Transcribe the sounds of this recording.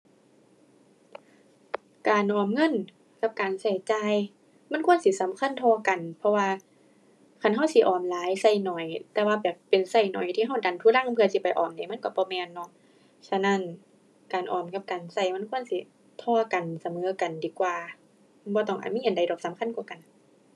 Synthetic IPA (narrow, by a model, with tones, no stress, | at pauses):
kaː˨nʔɔː˨˩mŋɤ˧˥˨n | ka˧˦p̚kaː˨˩nsa˧˩jt͡ɕaː˧j | ma˧˥˨nkʰu˧˥ə˨nsi˧˦sa˨˦mkʰa˧˥˨nt̪ʰɔː˧ka˨npʰɔ˧waː˧ | kʰa˧˥˨nɦa˧˩wsi˧˦ʔɔː˨˩mlaː˨˦jsa˧˩jnɔ˨˩jt̪ɛː˧waː˧bɛː˨˩pːe˨nsa˧˩jnɔ̰˨˩jt̪ʰiː˧ɦa˧˩wda˨nt̪ʰuː˧˩la˧˥˨ŋpʰɯ˧ɐ˧si˧˦pa˨jʔɔ̰ː˨˩mda˨˩˦ma˧˥˨kɔ˧˩bɔː˧˦mɛː˧nːɔ˧˨ | sa˧na˧˥˨n | kaː˨˩nʔɔː˨˩mka˧˦p̚kaː˨nsa˧˩jma˧˥˨nkʰu˧˥ə˨nsi˧˩˦ | t̪ʰɔː˧ka˨nsa˨˧˦mɤː˨˦ka˨ndiː˨˦kwaː˧ | bɔː˧˦t̪ɔ˧˩ŋʔa̰ː˨˩mi˧˨ha˨nda˨jdɔː˧˩p̚sa˨˦mkʰa˧˥˨nkɔː˧˩ka˨˩n